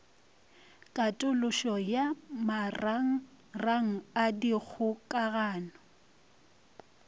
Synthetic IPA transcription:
kʼatʼʊlʊʃɔjamaraŋ̩ | raŋ̩adik͡xʰʊkʼaɣaːnɔ

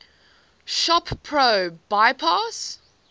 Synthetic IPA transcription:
ʃɔppʰɹoʊb̥aɪpʰɑːs

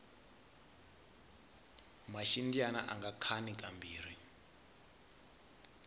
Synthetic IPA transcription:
maʃindiana̰ʔaŋɡakʰanikʼambiːɾ̤i

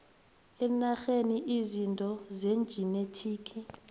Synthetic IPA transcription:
ɛnaxeniʔizintʼɔzend͡ʒʱinetʰiːkʰʼi

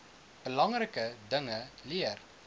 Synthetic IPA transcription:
b̥əlɐŋrəkədəŋəliər

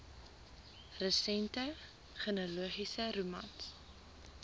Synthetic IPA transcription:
rəsɛntə | χənəluəχisəɾumɐ̰ns

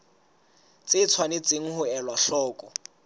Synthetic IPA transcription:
t͡sʼɪt͡sʰwanɪt͡sʼeŋ̩hʊɛlwaɬɔːkʼɔ

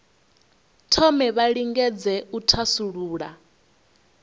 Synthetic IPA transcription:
tʰɔmɛβaɺiŋɡɛd͡zɛutʰasuɺuːɺa

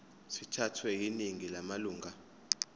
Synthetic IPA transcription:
sitʰatʰwɛk̬iniŋilamaluːŋa

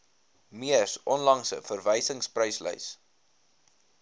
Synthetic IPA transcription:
miərsʔɔnlɐŋsə̰fərvəjsəŋsprəjslœ̰js

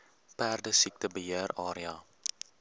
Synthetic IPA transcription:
pæːrdəsik̚təbəɦiərɑːɾiɑː

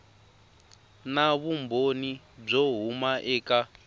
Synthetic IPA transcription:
naβumboni | b͡ʐɔɦumaʔɛːka

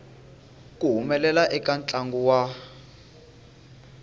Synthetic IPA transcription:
k̬ʼuɦumɛlɛlaʔɛkʼant͡ɬʼaŋɡuwa

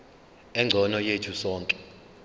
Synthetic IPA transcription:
ɛŋ͡ǀʱɔnɔjetʰusɔːŋkʼɛ

